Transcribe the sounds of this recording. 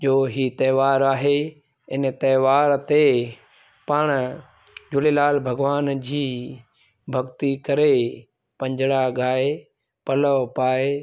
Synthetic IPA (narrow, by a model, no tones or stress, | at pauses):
ʄoːɦiːt̪ɐːʋaːɾaːɦe | ɪnət̪ɐːʋaːɾt̪e | paɽ̃ | d͡ʒʊlelaːlbʱɐɡʋaːnd͡ʑiː | bʱɐɡt̪ikɐɾe | pɐ̃ɲd͡ʑɽaɡaːe | pɐləpaːe